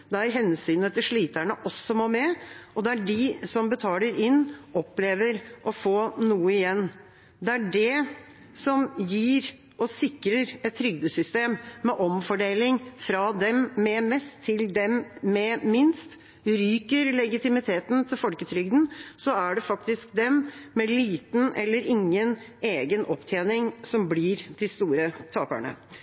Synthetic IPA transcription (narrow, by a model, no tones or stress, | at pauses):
d̪ɛæɾɦɛnsyːnət̪ʰɪlʂɭiːt̪æɳəʔɔsːɔmoːmɛɔd̪ɛæɖɪsɔmbət̪ʰɑːləɾɪnːɔpːleːʋəɾʔɔfoːnuːəɪjɛnː | d̪ɛæɖɛ | sɔmjiːɾ | ɔsɪkɾəɾɛt̪ʰːɾʏɡd̪əsʏst̪eːmːɛʔɔmfɔɖeːlɪŋfɾɑd̪ɛmːɛmɛst̪ʰːɪld̪ɛmmɛmɪnst̪ | ɾyːkəɾlɛɡɪt̪ɪmɪt̪ʰeːt̪nt̪ʰɪlfɔlkət̪ʰɾʏɡd̪n̩sɔæɖɛfɑkt̪ɪsk̚d̪ɛmmɛliːt̪n̩ɛlːəɾɪŋːəneːɡənʔɔpt̪ʰjeːnɪŋsɔmblɪːɾd̪ɪst̪uːɾət̪ʰɑːpə̰ɳə̰